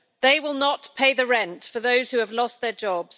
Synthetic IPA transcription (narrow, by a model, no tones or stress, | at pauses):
ðeɪwɪlˠnətpʰeɪðəɹɛ̃ntfəðoʊz̥hʉəvlɒst̪̚ðəd͡ʒɒbz̥